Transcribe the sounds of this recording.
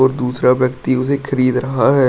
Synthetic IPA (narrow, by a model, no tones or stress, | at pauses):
ɔːɾd̪uːsɾaʋjɐkt̪iʊsexʰɐɾiːd̪ɾɐɦaɦɛː